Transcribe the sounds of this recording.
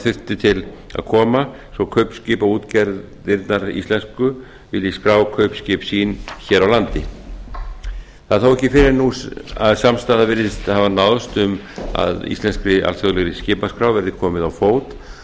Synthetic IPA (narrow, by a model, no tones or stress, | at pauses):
θʏr̥t̪ɪt̪ʰɪl | a̰ðkʰɔːma | sɔkʰœɥpscɪːpauːt̪cɛɾð | ɪɾt̪naɾḭst̪lɛnskʏ | vɪlɪskɾaːwkʰœɥpscɪpsiːnçɛːɾawlant̪ɪ | θaðθawɛhcɪfɪɾɪɾnusaðsamst̪aːðavɪɾðɪst̪havanaðst̪ʏm | a̰ðḭst̪lɛnskɾɪʔa̰lsaɣðlɛɣɾɪscɪːpaskɾawvɛɾðɪkʰɔːmɪðawfoːwt̪